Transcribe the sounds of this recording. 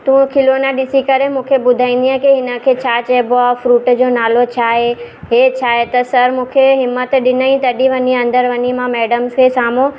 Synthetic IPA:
t̪ũːkʰɪlonaɗɪsikɐɾemũːkʰebʊd̪ʱaːĩːnd̪iãkeɦɪnə̆kʰeːt͡ɕʰaːt͡ɕebʊafɾuːʈd͡ʑoːnaːlot͡ɕʰaːɦe | ɦet͡ɕʰaːɦet̪ɐsɐɾmũːkʰeɦɪmːət̪ɗɪnəĩt̪ɐɗiʋɐɲiɐ̃nd̪əɾʋɐɲimãmɛːɖəmskʰesaːmõ

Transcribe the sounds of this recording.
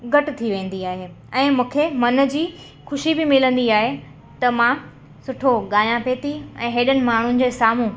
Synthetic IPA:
ɡɐʈɪ̆t̪ʰiʋẽːn̆d̪iaːɦe | ɛ̃ːmũːkʰemɐnd͡ʑiː | xʊʃibɪmɪlə̃nd̪iaːɦe | t̪ɐmã | sʊʈʰoɠaːjãpeːt̪iɛ̰̃ːɦeːɗənɪ̆maːɳ̤ʊnɪ̆d͡ʑeːsaːm̤ũ

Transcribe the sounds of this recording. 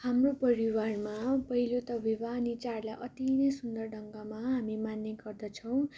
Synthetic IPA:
hamropʌɾiwarmapʌɦilot̪ʌbibanit͡sarlajʔʌt̪inʌjsund̪ʌrɖʌŋɡamaɦamimanːeɡʌrd̪ʌt͡sʰʌw̃

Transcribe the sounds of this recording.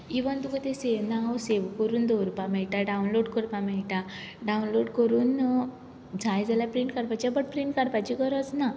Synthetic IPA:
iʋand̪ukət̪esenawseʋkəɾuːnd̪ɔɾupamɛɭʈaɖaunloɖkəɾpamɛɭʈa | ɖaunloɖkəɾuːn | d͡zajd͡zalapɾiɳʈkaɾpat͡ɕiabəʈ̚pɾiɳʈkaɾpat͡ɕikəɾɔt͡sna

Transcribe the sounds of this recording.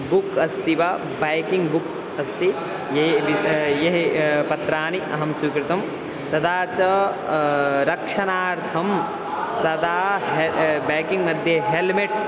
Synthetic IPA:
bukɐst̪iʋɐ | bɐjkiŋɡbuk | ɐst̪i | jebijeɦpɐt̪ɾaːniʔɐɦɐmsukɾɪt̪ɐm | t̪ɐd̪ʰaːt͡ʃɐ | ɾɐkʂɐnaːɾt̪ʰɐm | sɐd̪aːɦebɐjkiŋɡmɐd̪ʱjɐɦelmiʈ̚

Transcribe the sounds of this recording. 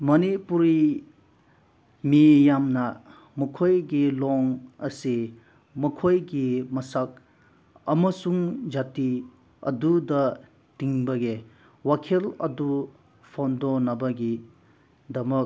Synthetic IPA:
mɐnipuɾi | mijamnɐ | mɐkʰojɡilɔŋɐ̰si | mɐkʰojɡimɐsak̚ | ɐmɐsuŋd͡ʒati | ɐ̰dudɐ | tiŋbɐɡe | wakʰilɐ̰du | pʰandonɐbɐɡi | dɐmɐk̚

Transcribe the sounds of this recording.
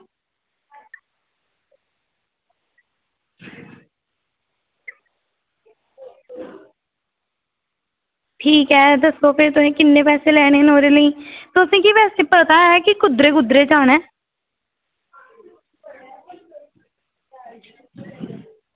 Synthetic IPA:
ʈʰiːkɦɛːd̪əsoːpʰɪɾt̪ʊsĩːkɪnːeːpɛːseːlɛːɽ̃eːnoːɾeːləĩːt̪ʊsĩːkipɛːseːpəɾt̪aːɛːkɪkʊd̪ɾeːkʊd̪ɾeːt͡ʃaːnɛː

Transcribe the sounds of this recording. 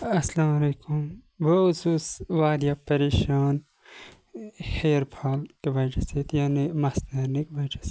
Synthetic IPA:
ɐslaːmɐleːkum | bɐsuːsʋaːd̪japɐɾeːʃaːn | heːɾpʰaːlkebɐʈʰɐset̪jaːnimɐst̪ɐːɾnikbɐʈʰɐ̥s

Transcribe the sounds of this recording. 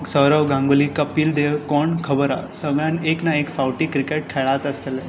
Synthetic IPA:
səɾəʋɡãŋɡlikəpiːld̪ekɔɳkʰəbəɾa̰səɡɭjãneknaekfawʈiːkɾikeʈ̚kʰeɭat̪əst̪el

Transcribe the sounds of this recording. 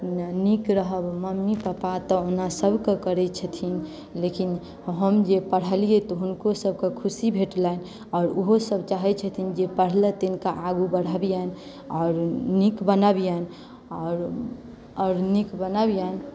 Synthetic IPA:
nikɾəɦəbməmːipəpat̪ɔonasəbkekəɾɛt͡ʃʰət̪ʰin | lekin | ɦəmd͡ʒepəɽ̤əlijet̪ɔɦunkosəb̚ʱkekʰusibʱeʈlan | ɔːɾuɦosəb̚t͡ʃaɦɛt͡ʃʰət̪ʰind͡ʒepəɽ̤let̪inkaʔaɡubəɽ̤əbijan | ɔːɾnikbənəbijan | ɔɾ | ɔɾnikbənəbjan

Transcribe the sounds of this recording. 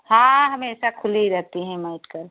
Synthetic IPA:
hãɦɐmẽɛːsakʰʊliɾɛɦt̪iɦɛ̃maɪʈkəɾ

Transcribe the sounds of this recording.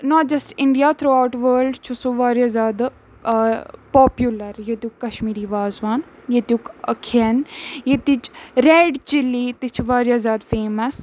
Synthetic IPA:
nɔʈ̚d͡ʒɐsʈɪɳɖijat̪ʰɾoːawʈʋəːlɖt͡ʃʰusuʋaːɾjazjaːd̪ | pɔːpjulɐɾjet̪jukːɐʃmiːɾiʋaːzʋaːn | jet̪ukɐkʰiənjet̪it͡ʃɾeːɖt͡ʃɪlit̪it͡ʃʰʋaːɾjazʲjaːd̪feːməs

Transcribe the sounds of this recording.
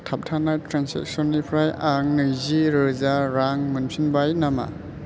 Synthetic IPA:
tʰap̚tʰanatɾansḛk̚sɔnːipʰɾajaŋːɯjziɾɯzaɾaŋmɯnsʰinbajnama̰

